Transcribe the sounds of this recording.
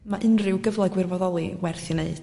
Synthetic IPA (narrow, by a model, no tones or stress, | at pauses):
maʔɨnrɪwɡəvlˠɔɡwɪrvɔðɔlˠiwɛrθjɔneɨd̥